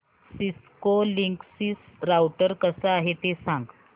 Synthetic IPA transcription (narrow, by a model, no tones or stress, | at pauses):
siskoliŋksisɾawʈəɾkəsəaɦet̪esãŋɡ